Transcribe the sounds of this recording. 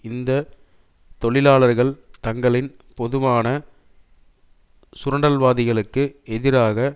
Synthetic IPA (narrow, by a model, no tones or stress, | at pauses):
ɪnd̪ɐ | t̪ɔɭɪlaːɭɐɾɣɐɭt̪ɐŋɡɐɭɪn | pɔðɯʋaːnɐ | sʊɾɐɳɖɐlʋaːðɪɣɐɭɯkːɯɛðɪɾaːɣɐ